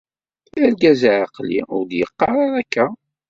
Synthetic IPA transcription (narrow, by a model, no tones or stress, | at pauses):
ælɡæzaʕaqlḭʊɾd̪jəqːɑɾˤɑɾˤækːæ